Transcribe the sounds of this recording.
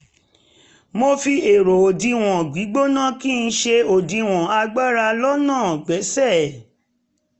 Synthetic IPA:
mo˧fi˧e˨ɾo˨o˨dĩ˧w̃ɔ̃˨ɡ͡bi˨˦ɡ͡bo˦nã˦ki˦˧n̩˧˦ʃe˧o˨dĩ˧w̃ɔ̃˨a˧ɡ͡ba˦ɾa˧lɔ˦nãː˦˨ɡ͡bɛ˨˦sɛ˦˨

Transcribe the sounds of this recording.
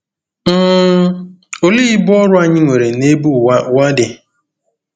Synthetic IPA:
m̩ː˦ | o˦li˦i˦bɔ˦ɾʊ˦a˦ɲɪ˦ŋʷe˨ɾe˨ne˦bu˦wa˦dɪ˨

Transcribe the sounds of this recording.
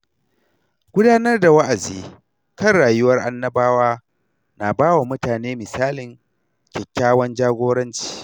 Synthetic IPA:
ɡ̥ʷʊ˦daː˦nɐ˦rda˨wɐ˦ʔa˨ziː˨ | kɐ˦nɽaː˨jʊ˦wɐ˦rʔa˦nːɐ˦baː˦waː˦ | na˨baː˦wa˨mʊ˦taː˨neː˦mɪ˨saː˦lɪ˨ŋ | kʲɛ˨kʲːaː˦wɐ˦nd͡ʒaː˦ɡʷoː˦ɽɐ˦nt͡ʃi̥ː˨

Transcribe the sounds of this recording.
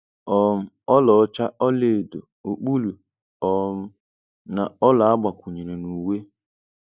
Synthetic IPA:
ɔ˨m̩˦ | ɔ˦lɔ˨˦t͡ʃa˦ʔɔ˦le˨do̰˨ | o˨k͡pu˦lu˨ | ɔ˨m̩˦ | na˨ɔ˦la˨a˦ɡ͡ba˨kʷu˨ɲe˨ɾe˨nu˨we˦

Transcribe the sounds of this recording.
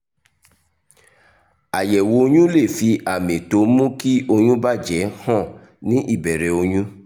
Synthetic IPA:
a˨jɛ˨wo˨˦˧ɲũ˦le˦˨fi˧a˨mẽ˨to˨˦mũ˦ki˦o˧ɲũ˦ba˦˨d͡ʒɛ˨˦hɔ̃˦˨ | nĩ˨˦ʔi˦˨bɛ˨ɾɛ˨o˧ɲũ˦

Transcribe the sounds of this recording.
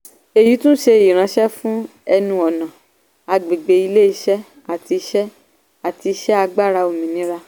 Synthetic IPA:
e˨ji˨˦tũ˦ʃe˧e˧˨ji˨ɾ̃ã˨˦ʃɛ˦fũ˦ | ɛ˧nũ˧˦ɔ˨nã˨ | a˧ɡ͡be˨ɡ͡be˨˦i˧le˦i˧˦ʃɛ˦ | a˦˨ti˧ʃɛ˦ | a˨ti˧˦ʃɛ˦a˧ɡ͡ba˦˨ɾa˧o˨mĩ˨nĩ˨˦ɾa˧

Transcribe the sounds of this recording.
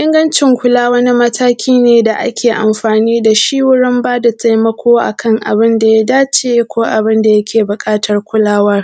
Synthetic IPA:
ʔɪ˦ŋɡɐ˦nt͡ʃɪ˨ŋkʷʊ˦laː˦wɐ˦ni˦mɐ˦tʰaː˦kʲʰiː˦neː˨da˨ʔa̰˦kʲʰeː˨ʔa̰˨mɸaː˨niː˦da˨ʃiː˦wʊ˦ɽɪ˦mbaː˦da˨tʰa˦jmɐ˦kʷʰoː˦ʔa̰˨kʰɐ˦ŋʔa̰˨bɪ˦nda˨ja˦daː˦t͡ʃeː˦kʷoː˦ʔa˨bɪ˦nda˨jɐ˦kʲʰeː˨bʊ˨kʼaː˦tɐ˨rkʷʊ˦laː˦wɐ˦r

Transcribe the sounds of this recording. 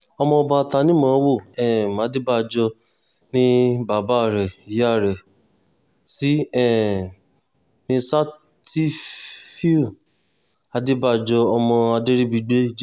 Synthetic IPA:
ɔ˧mɔ̃˧ɔ˧ba˧ta˧nĩ˦mɔ̃˨˦wo˦˨ɛ˦˨mã˨˦de˦ba˦˨d͡ʒɔ˧ | nĩ˦ba˨ba˦˨ɾɛ˨i˨ja˦˨ɾɛ˨ | si˨˦ɛ˦˨ | nĩ˧sa˦ | ti˦fi˦u˦˨ | a˧de˦ba˦˨d͡ʒɔ˧ɔ˧mɔ̃˧a˧de˦ɾi˦bi˧ɡ͡be˦d͡ʒ

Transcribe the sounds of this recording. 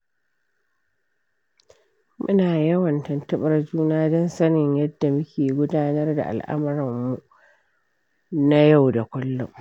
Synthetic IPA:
mʊ˦naː˨jɐ˦wɐ˨ntɐ˨ntɐ˦ɓɐ˨rd͡ʒuː˦naː˦dɔ˦nsɐ˦nɪ˨ɲjɐ˦dːa˨mʊ˦kʲʰeː˨ɡʷʊ˦daː˦nɐ˦rda̰˨ʔa̰˨lʔa̰˦mɪ˨˦ɾɐ˨mːu˨ | na˦ja˦˨wda˨kʷʊ˦lːɔ̰˦ŋ

